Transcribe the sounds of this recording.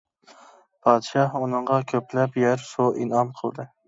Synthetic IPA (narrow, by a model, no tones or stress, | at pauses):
pʰɑːd̪ɨʃɑhunɨɴʁɑkʲʰøplɛpjæɾsuʔḭnɑmqʰəlˠd̪ɨ